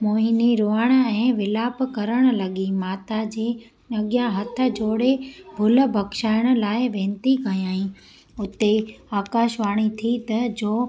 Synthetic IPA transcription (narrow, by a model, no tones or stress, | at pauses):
moːɦɪniɾoːaɽ̃ə̆ɛ̃ːʋɪlaːpkɐɾəɽ̃̆lɐɠimaːt̪ad͡ʑeː | nɐɠjãɦɐt̪ʰə̆d͡ʑoːɽebʱʊl̆bʱɐkʃaːɪɽ̃ə̆laːɪʋẽːnt̪ikɐjaːĩ | ʊt̪eaːkaːʃʋaːɽ̃it̪ʰit̪ɐd͡ʑoː